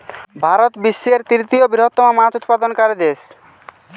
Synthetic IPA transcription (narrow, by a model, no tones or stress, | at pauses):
bʱaɾot̪bisːeɾt̪ɾit̪iobiɾot̪ːɔmomãt͡ɕut̪pad̪onkaɾd̪es